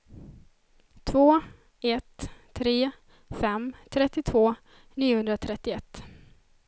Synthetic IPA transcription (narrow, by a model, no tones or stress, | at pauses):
t̪ʰvoː | ɛt̪ʰːɾeː | fɛmt̪ʰɾɛt̪ːɪt̪ʰvoː | niːʊhɵnd̪ɾat̪ʰɾɛt̪ːɪɛt̪ː